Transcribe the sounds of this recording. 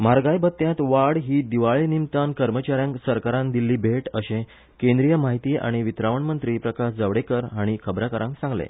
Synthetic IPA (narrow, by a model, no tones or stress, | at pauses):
maɾɡajbət̪ːjãt̪ʋaɽɦiːd̪iʋaɭenimt̪ankəɾmət͡ɕaɾjãŋsəɾkaɾãnd̪ilːiːbʱeʈəɕẽ | kẽnd̪ɾijəmaɦit̪iːʔa̰ɽ̃iʋit̪ɾaʋəɳmənt̪ɾiːpɾəkaɕd͡zəʋɽekəɾɦaɽ̃ikʰəbɾakəɾãŋksãŋɡlḛ